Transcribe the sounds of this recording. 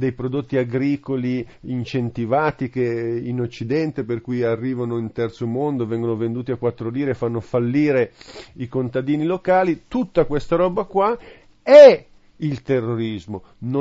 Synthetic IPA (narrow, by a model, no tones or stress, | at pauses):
d̪ejpɾod̪ot̪ːiaɡɾiːkoliint͡ʃent̪ivaːt̪ikeinot͡ʃːid̪ɛnt̪eperkujarːiːvanoint̪ɛrt̪somond̪ovɛŋɡonovend̪uːt̪iakwat̪ːɾoliːɾefanːofalːiːɾeikont̪ad̪iːnilokaːlit̪ut̪ːakwest̪aɾɔːbakwa | ɛ | ilt̪erːoɾizmo | n